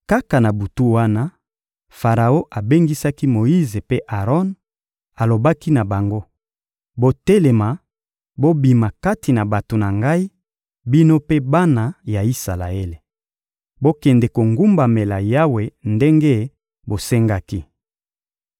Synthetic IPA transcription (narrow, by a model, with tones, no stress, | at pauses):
ka˦ka˨na˨bu˨tu˦wa˦na˦ | fa˨ʁa˨o˦ʔa˨be˦ŋɡi˦sa˦ki˦mo˨i˦ze˨pe˦ʔa˨ʁɔ˦n | a˨lo˨ba˦ki˦na˨ba˨ŋɡo˦ | bo˦tɛ˦le˨ma˨ | bo˦bi˨ma˨ka˦ti˨na˨ba˨to˨na˨ŋɡa˦i˦ | bi˦no˦pe˦ba˦na˨ja˨i˦sa˨la̰˨e˦le˨ | bo˦kɛ˨ndɛ˨ko˨ŋɡu˦mba˨me˨la˨ja˦we˨nde˦ŋɡe˦ | bo˨sɛ˦ŋɡa˦ki˦